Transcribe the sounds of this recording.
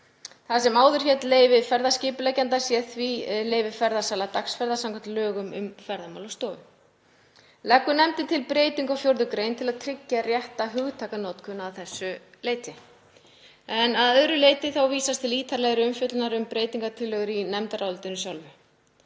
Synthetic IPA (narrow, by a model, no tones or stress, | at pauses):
θasɛmaːwðʏɾ̥çɛt̪leːjvɪfɛɾðascɪːpʏlɛcant̪asjɛθviɛleːjvɪfɛɾðasaːlat̪aksfɛɾðasawŋkʰant̪lœːɣʏmʏ̰mfɛɾðama̰wlawst̪ɔːʏ | lɛkːʏnɛmt̪ɪnt̪ʰɪlpɾeːjt̪iŋkawfjowɾðʏkɾejnt̪ʰɪlaðt̪ʰɾɪcːarjɛht̪aɦʏɣt̪ʰaːkanɔːt̪kʰʏnːaːwθɛsːʏleːjt̪ɪ | ɛnaðœðɾʏleːjt̪ɪθawviːsast̪ʰɪliːt̪ʰaɾlɛɣɾɪʏmfjʏt̪lnaɾʏmpɾeːjt̪iŋkat̪ʰɪlːœɣʏɾinɛmt̪aɾawlt̪ɪnʏsjawlvʏ